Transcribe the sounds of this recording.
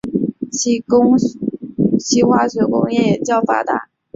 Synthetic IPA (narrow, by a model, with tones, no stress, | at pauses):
ɕi˥xwa˥ʂɤ˧˥kʊ˥ŋjɛ˥˩jɛ˨˩t͡ɕjɑ˥˩ʊfa̰˥t̪a̰˧˩˦